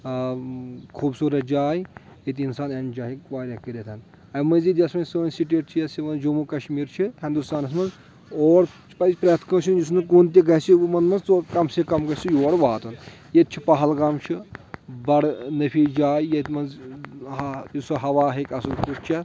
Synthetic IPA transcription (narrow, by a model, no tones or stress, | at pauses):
kʰuːbsuːɾɐt̪d͡ʒaːj | et̪insaːnɐnd͡ʒaːɦikʲʋaːɾʲɐkiɾʲet̪ʰɐn | ɐmɐnzid̪ʲjɐsmɐnsɨːnʲsiʈeːʈ̚t͡ʃʰijɐsimɐnd͡ʒomukɐʃmiːɾt͡ʃʰiɦĩnd̪ust̪aːnɐs̬mɐnz | oːɾ | pɐzʲpɾʲɐt̪ʰkɐːt͡ʃʰind͡ʒus̬nɨk̬uːnt̪̬ʲiɡɐsimɐnmɐnzt͡sokɐmsikɐmɡɐsʰijoːɽʋaːt̪unjet̪̚t͡ʃʰipɐɦɐlɡɐmt͡ʃʰibɐɽnɐpʰiːd͡ʒaːjjet̪mɐnz | isɐɦɐʋaːɦekʲɐsukuʈt͡ʃʰɛ